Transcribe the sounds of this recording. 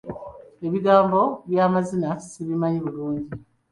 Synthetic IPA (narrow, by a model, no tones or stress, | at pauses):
e̞βiɡaːmbo̞βjaːmazinasiβimaɲiβuluːɲɟi